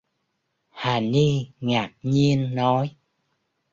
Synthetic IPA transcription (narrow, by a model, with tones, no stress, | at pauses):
haː˨˩ni˧ŋaː˨˩k̚ɲi˧ənːɔ˨˦j